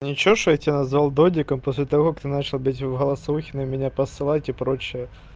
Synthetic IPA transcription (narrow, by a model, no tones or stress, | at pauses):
nʲɪt͡ɕoʂoɛt̪ʲjanɐzvalˠd̪odʲɪkəmposʲlʲɪt̪ɐvo̞kakt̪ɨnat͡ɕɪlˠbɨtʲvɣəlˠɐsuxʲɪnɨmʲɪnʲapəsɨlˠatʲɪpɾot͡ɕːɪjə